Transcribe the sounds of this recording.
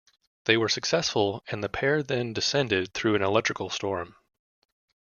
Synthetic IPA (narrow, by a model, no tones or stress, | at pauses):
ðeɪwə˞sɨksɛsfəl̩ˠɨ̃nðɨpʰɛɹðɨ̃ndɨsɛ̃ndɪd̪̚θɹʉɨ̃nəlɛk̚t͡ʃɹ̥ɨkl̩ˠstɔɹm